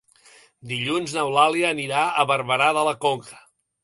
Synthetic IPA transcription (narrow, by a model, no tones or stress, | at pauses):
d̪iʎunznəwlaliəːniɾaəβəɾβəɾaðələkoŋkʰə̥